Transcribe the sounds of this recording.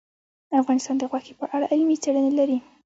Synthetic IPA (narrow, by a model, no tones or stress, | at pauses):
d̪̥əafɣɑnɪst̪ɑnd̪əɣwɑxi̥pəʔaɽaʔɪlmit͡seɽənelaɾi